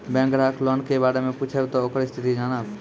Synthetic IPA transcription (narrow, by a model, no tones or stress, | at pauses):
bẽːŋɡɾaːkʰloːɳkʰeʋaːɽemẽpuːt͡ʃʰebt̪ooːkəɾist̪ʰɪt̪id͡ʒaːɽaː